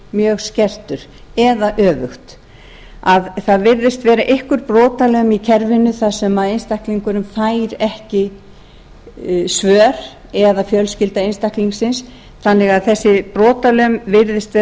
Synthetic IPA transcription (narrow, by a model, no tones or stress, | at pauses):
mjœːɣscɛr̥t̪ʏɾ̥ | ɛðaʔœːvʏxt̪ | aðθaðvɪɾðɪst̪vɛːɾaʔɪhkʏɾpɾɔːt̪alœɥmicʰɛɾvɪnːʏθaðsɛmaðenst̪ahkliŋkʏɾʏmfaːjɾɛhcɪ | svœːɾ̥ | ɛðafjœlscɪlt̪aenst̪ahkliŋksɪns | θanːɪɣaðθɛsːɪpɾɔːt̪alœɥmvɪɾðɪst̪vɛː